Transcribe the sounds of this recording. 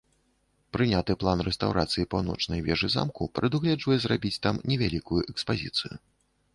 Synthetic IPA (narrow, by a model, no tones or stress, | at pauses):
pɾɨnʲat̪ɨplˠanrɛst̪awɾat̪sɨjipawnɔ̰t͡ʂnɐjvʲɛʐɨza̰mkupɾɨd̪uɣlʲɛd͡ʐvɐjɛzrabʲit͡sʲt̪amnʲɛvʲalʲikujuʔɛkspazʲit̪sɨjṵ